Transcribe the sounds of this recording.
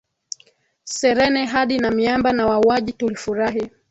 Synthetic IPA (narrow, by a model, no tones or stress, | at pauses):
sɛɾɛnɛɦaɗinamiambanawauaʄitulifuɾaɦi